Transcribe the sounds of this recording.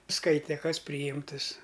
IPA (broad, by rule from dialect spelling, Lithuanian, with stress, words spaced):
ˈskɐɪtʲɛ ˈkɐs pʲrʲiːˈjɪmtɨs